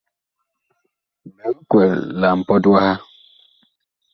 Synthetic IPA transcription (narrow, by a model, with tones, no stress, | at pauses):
mɛ˨l̩˦kʷe˨lla˨m̩˨pɔ˦dwa˦ha˦